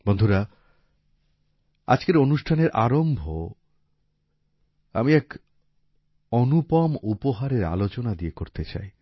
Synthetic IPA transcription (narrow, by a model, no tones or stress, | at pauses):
bond̪ʱuɾa | a̰d͡ʑkeɾonuʃʈʰaneɾʔaɾombʱo | a̰miɛk | onupɔmupoɦaɾeɾa̰lot͡ɕonad̪iekoɾt̪et͡ɕa̰j